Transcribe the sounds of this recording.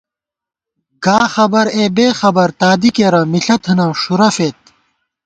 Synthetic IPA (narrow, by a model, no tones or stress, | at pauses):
ɡ̥aːxɐbɐɾeːbeːxɐbɐɾt̪aːd̪ikeːɾɐmiɬɐt̪ʰɐnɐʂuɾɐfet̪̚